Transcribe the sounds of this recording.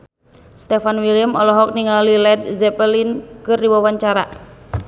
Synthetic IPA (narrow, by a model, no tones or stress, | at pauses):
st̪efanwiljəmɔlɔɦɔk̚niŋalilɛd̚zɛpəlinkɨrdiwawaɲt͡ʃaɾa̰